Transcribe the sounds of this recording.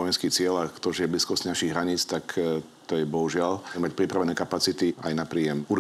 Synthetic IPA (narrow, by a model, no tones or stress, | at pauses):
ɔjɛnskiːt͡sɪɛlakt̪ɔʒɛjɛbliːskɔscnaʃiɣɦɾaɲiːt͡st̪ak | t̪ɔjɛbɔɦuʒɪalmac̚pɾipɾaʋɛnɛːkapat͡sit̪iajnapɾiːjɛmuɾ